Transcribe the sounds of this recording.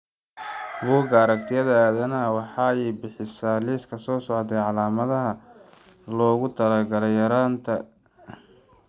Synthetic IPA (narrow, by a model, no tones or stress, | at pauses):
buːɡɐːɾɐkt̪ʰɪjɐðaaːðɐnɐwɑħɑɛjbɪħɪsaːliːskʰɐsɔːsɔʕd̪ɛjʕɑlaːmɐðɐɦɐ | lɔːɣʊt̪ʰɐlɐɡɐlɐjɐɾaːnt̪ʰɐ